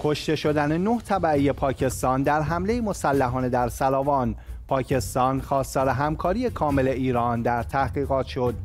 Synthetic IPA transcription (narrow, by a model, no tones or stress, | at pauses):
kʰo̞ʃt̪e̞ʃo̞d̪ænenoht̪ʰæbæejepʰɒːcʰe̞st̪ɒːnd̪æɾɦæmle̞jimo̞sælːæɦɒːned̪æɾsælɒːvɒːnpʰɒːcʰe̞st̪ɒːnxɒːst̪ɒːɾe̞ɦæmkʰɒːɾije̞kʰɒːme̞le̞iːɾɒːnd̪æɾt̪ʰæhɡiːɣɒːt̪ʰʃo̞d̪̥